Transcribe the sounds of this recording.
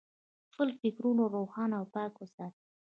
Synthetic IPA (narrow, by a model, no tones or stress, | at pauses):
pəlfɪkɾunoɾoxɑnawpɑkosa